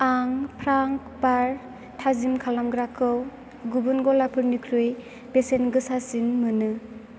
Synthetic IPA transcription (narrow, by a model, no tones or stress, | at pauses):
aŋpʰɾaŋ | paɾ | tʰazimkʰalamɡɾakʰɯw | ɡubunɡɔlapʰɯɾnikʰɾɯj | besenɡɯsasinmɯnɯ